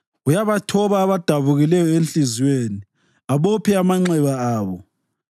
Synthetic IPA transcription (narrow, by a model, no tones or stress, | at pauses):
ujaβatʰɔβaːβad̥ʱaβuɣilɛjɔenɬʼizweːni | aβopʰiamaŋ͡ǀɛβaaːβɔ